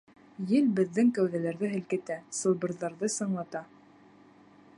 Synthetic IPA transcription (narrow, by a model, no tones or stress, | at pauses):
jɘlbɘ̆ðːɘŋkæwðælæɾðɘɦɘ̆lkɘ̆t̪æsɤ̆lˠbɤ̆ɾðɑɾðɤsɤ̆ɴlˠɑt̪ɑ